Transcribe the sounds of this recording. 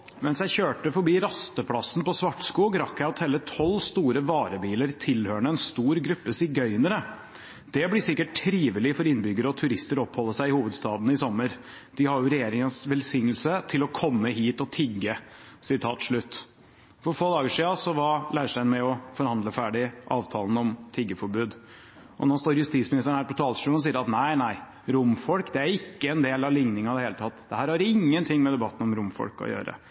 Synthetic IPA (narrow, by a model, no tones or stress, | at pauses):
mɛnsjæɪçøːʈəfɔɾbiːɾɑst̪əpʰlɑsːn̩pɔsʋɑʈːskuːɡɾɑkːæɪɑt̪hɛlːət̪ʰɔlːst̪uːɾəʋɑːɾəbiːləɾt̪ʰɪlhøːɳəɛnst̪uːɾɡɾʉpːəsɪɡœʏnəɾə | d̪̥ɛblɪsɪkːəʈʰːɾiːʋəlɪfɔɾɪnːbʏɡːəɾəɔt̪ʰʉɾɪst̪əɾɔpːhɔlːəsæɪɪhuːʋəd̪st̪ɑːd̪n̩ɪsɔmːəɾ | d̪̥ɪhɑɾjʊɾɛjeːɾɪŋənsʋɛlsɪŋːəl̩sət̪ʰɪlɔkʰɔmːəɦiːt̪ɔt̪ʰɪɡːə | sɪt̪ʰɑ̰ːt̪ʂɭʉt̪ː | fɔɾfoːd̪ɑːɡəʂiːɑsɔʋɑɾlæɪʂʈæɪnmɛɔfɔɾhɑnd̪ləfæːɖɪʔɑːʋt̪ʰɑːln̩ɔmt̪ʰɪɡːəfɔɾbʉːd̪ | ʔɔ̰nɔst̪oːɾjʉst̪it̪smɪnɪst̪əɳ̩hæɾpɔt̪ʰɑːlʂʉːlɔsiːəɾɑt̪næɪnæɪ | ɾʊmfɔlkd̪ɛæɾɪkːəɛnd̪eːlɑʋlɪŋnɪŋɑd̪ɛheːlət̪ʰɑt̪ːd̪̥ɛhæːɾhɑɾɪŋːənt̪ʰɪŋːmɛd̪ɛbɑt̪ːən̩ɔmɾʊmfɔ̰lkɔ̰jø̰ːɾə̰